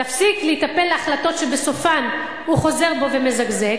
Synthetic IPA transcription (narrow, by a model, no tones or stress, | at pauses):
afsikleit̪ape̞lːeaχlato̞tʃebeso̞fan | huχo̞ze̞ʁbo̞ve̞mezaɡze